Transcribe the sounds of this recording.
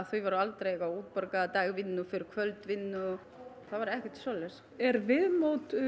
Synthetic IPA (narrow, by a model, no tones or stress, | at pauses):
θœɥvaɾʏalt̪ɾejɣawuːt̪̚pɔɾkat̪aːjɣvɪnːʏfɪɾɪɾ̥kʰvœlt̪vɪnːʏ | θavaɾɛhcɛht̪sɔːlɛs | ɛɾvɪðmowt̪